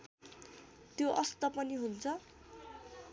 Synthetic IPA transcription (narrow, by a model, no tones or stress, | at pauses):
t̪joʔʌst̪ʌpʌniɦunt͡sʰʌ